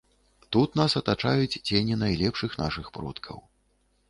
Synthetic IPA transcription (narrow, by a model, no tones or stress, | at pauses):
t̪ut̪nasɐt̪at͡ʂajut͡sʲt͡sʲenʲinajlʲɛpʂɨxna̰ʂɨxpɾɔ̰t̪kʰɐ̰w